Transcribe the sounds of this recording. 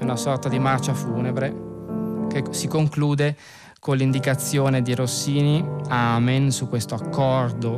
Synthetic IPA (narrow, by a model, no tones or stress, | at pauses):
unasɔrt̪ad̪imart͡ʃafuːnebɾe | kesikoŋkluːd̪e | kolːind̪ikat̪sːjoːned̪iɾosːiːniamensukːwest̪oakːɔrd̪o